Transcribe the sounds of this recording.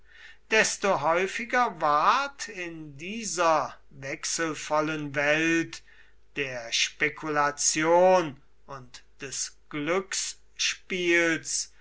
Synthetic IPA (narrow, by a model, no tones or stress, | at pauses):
d̥ɛstoɦɔʏfɪɡɐvaɐtɪndiːzɐ | vɛksəl̩fɔlənvɛlt | d̥eːɐʃpekʰulat͡sjoːn | ʊntd̥ɛsɡ̥lʏks | ʃpiːls